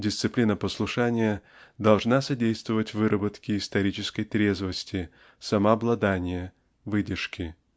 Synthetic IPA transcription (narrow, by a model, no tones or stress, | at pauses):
dʲɪst̪sɨplʲinəpəslˠʊʂanʲɪjə | d̪ɐlˠʐnasɐdʲejst̪vəvətʲvɨɾəbət̪kʲɪːst̪ɐɾʲit͡ɕɪskəjt̪ɾʲe̞zvəsʲtʲɪ | sɐmɐɐblˠɐd̪anʲɪjə | vɨdʲɪrʂkʲɪ